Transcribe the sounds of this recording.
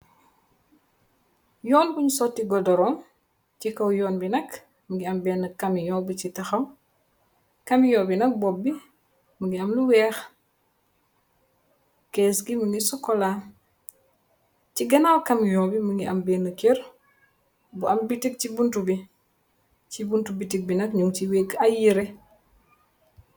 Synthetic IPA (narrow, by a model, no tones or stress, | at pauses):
jɔːnbuɲusɔtːiɡɔdɔɾɔːm | cikɐwjɔːnbinɐk | məŋɡiɐmbɛːnːəkːɐmijɔːbicitɐxɐw | kɐmijɔːbinɐk̚bɔbːi | məŋɡiɐmluwɛːx | kesɡiməŋɡisɔkːɔla | ciɡɐnawkɐmjɔːbiməŋɡiʔɐmbɛːnəkeɾ | buɐmbitik̚t͡ʃibuntubi | cibuntubitik̚binɐkɲuŋt͡ʃiwekɐjiɾe